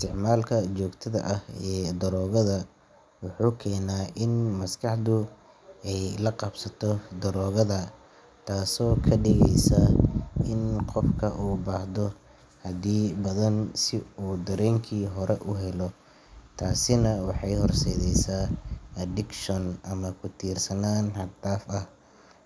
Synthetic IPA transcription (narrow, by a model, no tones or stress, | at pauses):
st̪ʰɪʕmaːlkʰɐt͡ʃɔːɡt̪ʰɐðɐ̰ʔɐhɛːd̪ɐɾɔːɣɐðɐ | wʊħuːkʰɛːnaːʔɪnmɐskʰɑħd̪ʊ | ɛjlɐqɑbsɐt̪ʰɔd̪ɐɾɔːɣɐðɐ | t̪ʰaːsɔːkʰɐɖɪɣɛjsɐɪnqɔfkʰɐʔuːbaːhðɔ | hɐd̪iːbɐðɐnsɪuːd̪ɐɾɛːŋkʰiːɦɔɾɛʔʊɦɛlɔ | t̪ʰaːsɪnɐwɑħɑjhɔrsɛːðɛjsaːɐd̪ɪkʃɔnʔɐmɐkʰʊt̪ʰiːrsɐnaːnhɐd̪aːfɐh